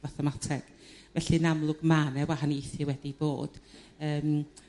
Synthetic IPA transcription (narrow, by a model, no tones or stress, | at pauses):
vaθɛmatʰɛɡ̥ | vɛɬinamlˠʊɡmanɛwahaniɪθɪwɛdib̥o̰ːd̥ | əːm